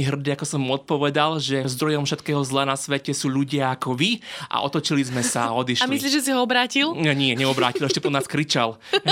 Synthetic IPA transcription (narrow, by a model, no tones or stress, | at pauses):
iɦr̩d̪iakɔsɔmɔt̪̚pɔʋɛd̪alʒɛzd̪ɾɔjɔmfʃɛt̪kɛːɦɔzlanasʋɛcɛsuːʎuɟɪaːkɔʋiʔa̰ʔɔ̰t̪ɔt͡ʃilizmɛsaɔd̪iʃalmisliːʒɛs̬iɦɔɔbɾaːcilɛɲɪɛɲɛɔbɾa̰ːcilɛʃcɛpɔnaːskɾit͡ʃal